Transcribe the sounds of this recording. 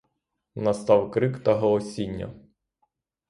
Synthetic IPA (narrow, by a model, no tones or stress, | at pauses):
nɐst̪ɑwkɾɪkt̪ɐɦɔɔsʲinʲːɐ̰